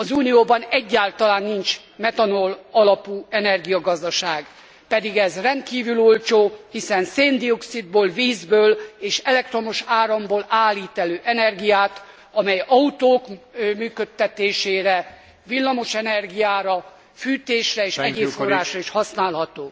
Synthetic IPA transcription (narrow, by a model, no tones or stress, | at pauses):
ɒzuːnijoːbɒnɛɟːaːlt̪ɒlaːnːint͡ʃ | mɛt̪ɒnolɒlɒpuːɛnɛrɡijɒɡɒzd̪ɒʃaːɡ | pɛd̪iɡɛzrɛnt̪̚kiːvylolt͡ʃoːhisɛnseːnd̪ioksid̪̚boːlviːzbøːleːʃɛlɛk̚t̪ro̞moʃaːɾɒmboːlaːlːiːt̪ɛløːʔɛnɛrɡijaːt̪ | ɒmɛjɒut̪oːkmyːkøt̪ːɛt̪eːʃeːɾɛ | vilːɒmo̞ʃɛnɛrɡijaːɾɒ | fyːt̪eːʃrɛeːʃɛɟeːforːaːʃrɒiʃhɒsnaːlɦɒt̪oː